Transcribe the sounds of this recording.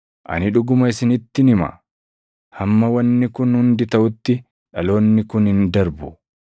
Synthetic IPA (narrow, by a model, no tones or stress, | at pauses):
ʔɐ̰nɪᶑʊɡʊmɐɪsɪnɪt̪ːɪnɪmɐ̰ | hɐmːɐwɐnːɪkʊnhʊnd̪ɪt̪ɐʔʊt̪ːɪ | ᶑɐlo̞ːnːɪkʊnhɪnd̪ɐɾbʊ